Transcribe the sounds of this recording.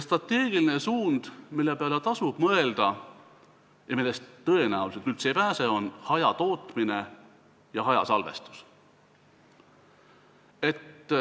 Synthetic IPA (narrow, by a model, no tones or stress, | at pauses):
st̪rɑt̪ːe̞ːɡ̥iline̞suːnd̪̥milːepeɑlet̪ɑsub̥mɤe̞ld̪̥ɑ | jɑmilːest̪t̪ːɤe̞næuliset̪kylt̪se̞ːpæːseo̞nhɑjɑt̪o̞ːt̪ˑmine̞ | jɑɦɑjɑ̰sɑlve̞̰st̪u̥s | e̞t̪ː